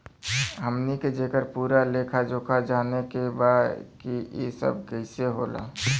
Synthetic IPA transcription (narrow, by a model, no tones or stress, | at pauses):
ɦəmniked͡ʒeːkəɾpuːɾaleːkʰad͡ʒoːkʰad͡ʒaːnekebaːd̪kijḛsə̰b̚kəɪseɦoːla̰ː